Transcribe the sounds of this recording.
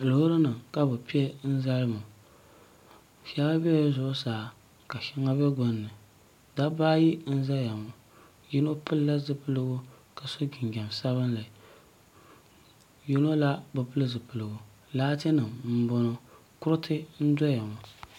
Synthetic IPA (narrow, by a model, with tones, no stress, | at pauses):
lo˨˦ɾɨ˦nɨ˨ka˦bɨ˨pi˦e˦n̩˦za˦lɨ˦mʊ˨ | ʃa˦ba˦bɛ˦jzʊ˦ʔsaː˨ | ka˨ʃɪ˦ŋa˦bɛ˦ɡo˦nːɨ˨ | da˦baː˦ji˦n̩˦za˦ja˨mo˨ | ji˦no˦pɨ˦lla˦zɨ˦pɨ˦lɨ˦ɡʊ˦ | ka˨so˦ɡɪ˨ŋɡʲa˨msa˦βɨ˦nla˨ | ji˦no˦la˦bɨ˨pɨ˦lɨ˦zɨ˨pɨ˨lɨ˨ɡʊ˨ | laː˦te˦nɨ˨mm̩˦bo˦no˦ | kʊ˦ɾɨ˦tʰɨ˦n̩˦dɔ˦ja˨mo˨